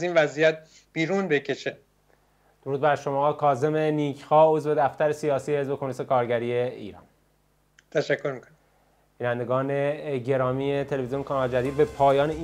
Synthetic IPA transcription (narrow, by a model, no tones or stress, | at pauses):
ziːnvæzijæt̪̚ | b̥iːɾuːnbecʰe̞ʃe | d̪̥oɾuːd̪̚bæɾʃo̞mɒːkʰɒːze̞meniːcʰxɒːo̞zve̞d̪æft̪æɾesijɒːsiːehe̞zbe̞kʰomunise̞kʰɒːɾɟæɾiːeḭːɾɒ̰ːn | t̪ʰæʃækʰːoɾmikʰon | b̥iːnænd̪eɡɒːneɟe̞ɾɒːmiet̪ʰele̞vezionkʰɑnɒld͡ʒæd̪iːd̪̚be̞pʰɒːjɒːnei